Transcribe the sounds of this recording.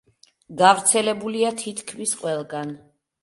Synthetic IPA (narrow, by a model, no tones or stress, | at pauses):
ɡavɾt̪sʰɛlɛbuliat̪ʰit̪ʰkʰmisqʼwɛlˠɡan